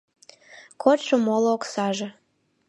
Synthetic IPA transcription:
kʰotʃomolooksɑʒe

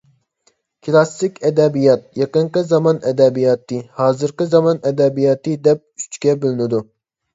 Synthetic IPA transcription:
kʲʰilˠɑsɪkʲɛd̪ɛbijɑt̪̚jɑqəɴqəzɑmɑnɛd̪ɛbijɑːt̪ʰːɨhɑːzɨɾqəzɑmɑnɛd̪ɛbijɑːt̪ɨd̪ɛp̚ʰy̥t͡ʃkʲɛbɪlɪnɪd̪u

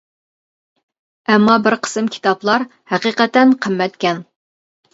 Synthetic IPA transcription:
ɛmːɑbɪɾqʰə̥sɨmkʲʰi̥t̪ɑplˠɑɾhæqiqɛt̪ɛnqʰəmːɛt̪kʲʰɛn

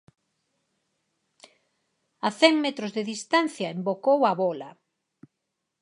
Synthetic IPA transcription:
aθɛŋmɛt̪ɾʊzðeðist̪an̟θjɐembokowɐβɔlɐ

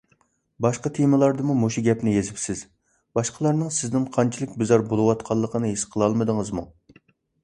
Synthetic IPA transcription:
bɑʃqɑt̪ʰemɨlˠɑɾd̪ɨmumoʃiɡʲɛpnɪjezɪpsɪz̥ | bɑʃqʰəlˠɑɾnɨŋsɪznɪŋqʰɑnt͡ʃʰilˠɪkʲbɪzɑɾbolˠɨwɑt̪qʰɑlˠːəqʰənɨɦesqʰəlˠɑlˠmɨd̪əŋəzmu

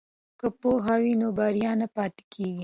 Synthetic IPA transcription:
kɐpoɦɑwinobaɾjɑːnapɑːt̪i̥kʰeːɡi

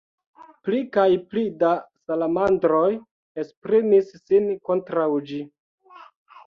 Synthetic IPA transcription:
plikajplidasalamandɾo̞j | espɾimisːinko̞ntɾawd͡ʒi

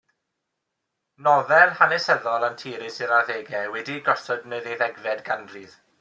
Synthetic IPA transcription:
nɔðɛrhanɛsəðɔlˠantʰiːɾɪsɪɾaðeːɡɛwɛdiɡɔsɔdnejðeðɛɡvɛdɡandrið

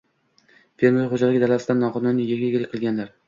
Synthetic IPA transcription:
feɾmχod͡ʒalɪɡʲɪd̪alasɪd̪anːɒqʰɒnʊnːɪjeɡʲɪɡʲɪlɪkʲqʰɨlˠɡʲanlaɾ

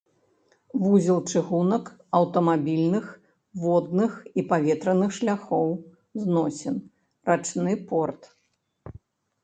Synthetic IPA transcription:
vuzʲilˠt͡ʂɨɣunɐk | ɐwt̪ɐmabʲilʲnɨx | vɔd̪̚nɨxipavʲɛt̪ɾɐnɨxʂlʲaxɔw | znɔsʲɛn | rat͡ʂnɨpɔrt̪

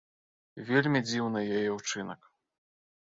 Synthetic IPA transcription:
vʲelʲmʲid͡zʲiwnɨjajɛwt͡ʂɨnɐk

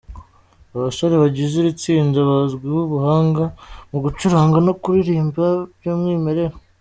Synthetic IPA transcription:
aβaso̞ɾeβaɟiziɾit͡siːndaβazɡwiβuβuhaːŋɡamuɡut͡ʃuɾaːŋɡano̞kuɾiɾiːmbaβjoːmŋiːme̞ɾe̞ɾa

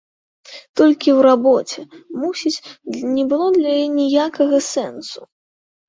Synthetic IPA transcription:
t̪ɔlʲkʲiwɾabɔt͡sʲɛmusʲit͡sʲnʲɛbɨlˠɔd̪lʲɐjinʲijakɐɣɐsɛnsu

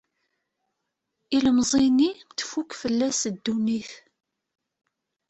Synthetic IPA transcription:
iləmzˤinit̪ːfukfəlːæsd̪ːuniθ

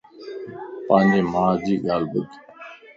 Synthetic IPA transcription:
pãːɲd͡ʑeːmãːd͡ʑiːɠaːlbək

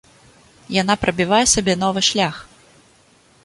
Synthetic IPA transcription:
janapɾɐbʲivajɛsabʲɛnɔvɨʂlʲax

